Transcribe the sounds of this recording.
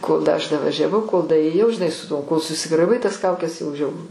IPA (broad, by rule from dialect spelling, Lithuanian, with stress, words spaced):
koːlˠ dɐ ˈɐʃ dɐʋɐʒʲɛˈʋɐʊ koːlˠ dɐeːˈjɛʊ ʒʲɪˈnɐɪ sʊ ˈtuɔ koːlˠ sʊsʲɪɡrɐˈɪbɐɪ tɐs ˈkɐʊkʲɛs jɛʊ ˈʒʲɛʊrʊ